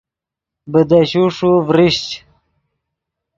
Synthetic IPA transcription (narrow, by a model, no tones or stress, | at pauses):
bəd̪aɕuʂuvɾiɕt͡ɕ